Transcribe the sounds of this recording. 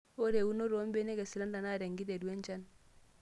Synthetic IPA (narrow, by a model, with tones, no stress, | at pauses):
o˦ɾe˨u˦no˦ɾo˦mbe˦ne˦ɡe˨si˨la˦nda˨na˦˨ɾe˨ŋɡi˦ɾe˨ɾwe˦ɲt͡ʃa˦n